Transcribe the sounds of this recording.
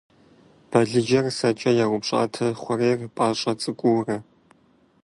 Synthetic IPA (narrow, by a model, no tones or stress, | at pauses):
b̥ɐɮɨd͡ʒɐrsɐt͡ʃʼɐjaːʁʷʊpɕʼa̰ːtʰɐχʷʊreːrpʼaːɕʼɐt͡sʼɨkʷʼʊːrɐ